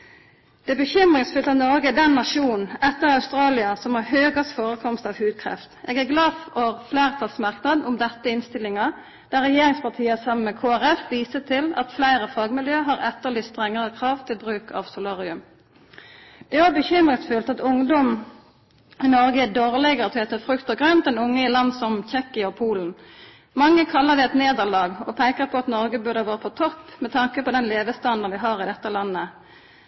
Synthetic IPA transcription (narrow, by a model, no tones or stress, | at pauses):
d̪̥ɛbəçʏmʁɪŋsfʉlt̪ɑnɔʁɡəd̪ɛnːɑʃuːnn̩ɛt̪ːəʁɑʉst̪ɾɑːlɪɑsɔmhɑːɦøːɡɑsfoːʁəkʰɔmst̪ɑʋhʉːd̪̚kʰʁɛ̰ft̪ʔeːɡæʁɡlɑːfoʁflæːʁt̪ʰɑlsmɑʁknɑd̪n̩ʊmd̪ɛt̪ːəɪnst̪ɪlɪŋɑ | d̪̥æʁɾɛjeːʁɪŋspɑt̪ʰiːəsɑmːənmɛkʰoːæʁɛfʋiːsət̪ʰɪlɑ̰t̪flæɪɾəfɑːɡmɪljøːɦɑʁɛt̪ːəlɪst̪ʁɛŋːəʁəkʰʁɑːʋt̪ʰɪlbʁʉːkʰɑ̰ʋsʊlɑːʁɪʉm | d̪̥ɛæbəçʏmʁəsfʉlt̪ɑt̪ʊŋd̪ɔm | ɪnɔʁɡəd̪oːʁlɛɡəʁt̪ʰɛt̪əfʁʉkt̪əɡʁœnt̪̚d̪ɛnʊŋːəɪlɑnd̪sɔmçɛkɪəɔpʰuːln̩ | mɑŋːəkʰɑlːəʁd̪ɛɛt̪neːd̪əʁlɑːɡɔpʰæɪkəʁpʰɔɑt̪nɔʁɡəbʉʁd̪əɑʋɑːʁəpʰɔt̪ʰɔpːmɛt̪ʰɑŋkəpɔd̪ɛnleːʋəst̪ɑnd̪ən̩ʋɪɦɑːʁɪd̪ɛt̪ːəlɑnːə